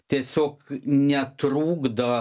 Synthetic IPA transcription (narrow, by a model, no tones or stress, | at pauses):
t̪esoknʲɛt̪ɾuːɡd̪ɑ